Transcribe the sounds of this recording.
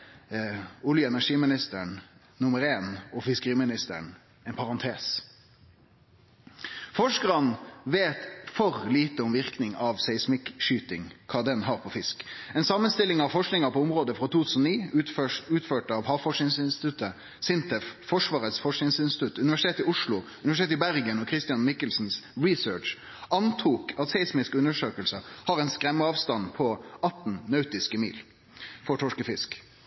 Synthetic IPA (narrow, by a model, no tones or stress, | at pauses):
ʊljəɛnæʂiːmɪnɪst̪əɳ | nʊməɾeːnɔfɪskəʁiːmɪnɪst̪ə̰ɳ | ɛɪnpʰɑʁɑnt̪ʰeːs | fɔʂkəʁɑnʋeːt̪fɔɾliːt̪əɔmʋɪʁknɪŋɑʋsæɪsmɪkʃyːt̪ɪŋkʰɑːd̪ɛnɦɑːʁpʰɔfɪskɛːnsɑmənst̪ɪlɪŋɑʋfɔʂknɪŋɑpʰɔʊmʁoːd̪əfɾot̪ʰuːt̪ʰʉːsn̩ɔniː | ʉːt̪føːʈɑʋhɑːʋfɔʂnɪŋsɪnst̪ɪ̥t̪ʉt̪ə | sɪnt̪ʰəffɔʂʋɑːʁət̪sfɔʂknɪŋsɪnsɪt̪ʰʉt̪ʉnɪʋæʂɪ̥t̪eːt̪ɪʊʂlʊʉnɪʋæʃɪt̪eːt̪ɪbæʁɡənɔkʰʁɪst̪ɪjɑnmɪkːəlsn̩sɹɪsøːʈʂ | ɑnt̪ʰuːkɑt̪sɛɪsmɪskʉnːəʂøːkəlsəhɑʁɛɪnskɾɛmːəɑːʋst̪ɑnpʰɔɑt̪n̩nœʉt̪ɪskəmḭːl | fɔʈʰɔʂkəfɪsk